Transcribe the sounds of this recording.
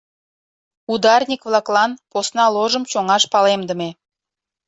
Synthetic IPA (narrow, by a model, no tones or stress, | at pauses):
ud̪ɑrnʲikβlˠɑklɑnposnɑloʒə̆mt͡ɕoŋɑʃpɑlemd̪ə̆me